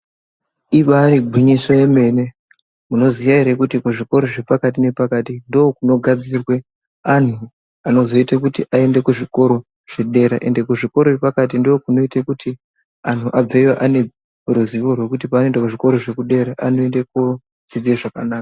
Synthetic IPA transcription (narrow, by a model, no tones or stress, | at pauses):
iʋaɾiɡʱwiɲisoje̞me̞ːne̞ | muno̞ziʋaiɾekutikuʐiko̞ɾo̞ʐe̞pakat̬ine̞pakatindoːkuno̞ɡʱad͡zirwe̞ | an̤u | ano̞zo̞itakutiʔae̞ndekuʐiko̞ɾo̞ | ʐ̥e̞ɗe̞ɾa̰ʔe̞nde̞kuʐiko̞ɾoepakat̬indookuno̞itakuti | an̤uʔab͡veiwaʔane̞ | ruziʋo̞rwe̞kutipanoendakuʐiko̞ɾo̞ʐe̞kuɗe̞ɾaʔano̞endek̚o | d͡zid͡zieʐakanaːkḁ